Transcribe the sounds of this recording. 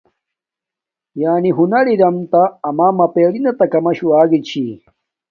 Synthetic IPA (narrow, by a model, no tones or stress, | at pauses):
jaːniɦunɐɽiɾɐmt̪aːmaːmɐpeːɽinɐt̪ɐkɐmɐɕuaːɡit͡ɕʰi